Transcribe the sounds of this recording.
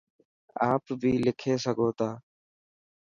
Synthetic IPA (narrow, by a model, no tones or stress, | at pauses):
aːpbʱiːlɪkʰeːsəɡʱoːt̪aː